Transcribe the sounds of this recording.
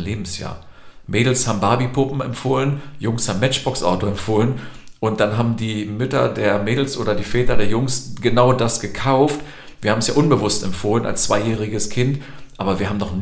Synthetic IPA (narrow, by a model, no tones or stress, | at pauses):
leːbm̩sja̰ːɐmeːdl̩shaːbm̩baːbipʰʊpm̩ɛ̰mfoːlənjʊŋshaːbmɛt͡ʃb̥ɔksʔa̰ʊtoɛmfoːlən | ʔʊnt̚d̥anɦaːbm̩diːmʏtɐ̰deːɐmeːdl̩sʔoːɾɐdiːfɛːtɐdeːɐjʊŋsɡ̥ənaʊdasɡ̥əkʰaʊft | v̥iːɐhaːbm̩sjaːʔʊnbəvʊstɛmfoːləna̰lst͡sv̥aɪjɛːʁ̞ɪɡəskʰɪnt | ʔaːbɐviːɐɦaːbm̩nɔχn